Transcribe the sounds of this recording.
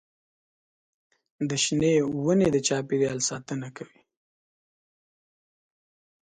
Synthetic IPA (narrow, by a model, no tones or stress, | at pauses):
d̪əʃnewəned̪ət͡ʃɑpiɾijɑlsɑt̪ənakawi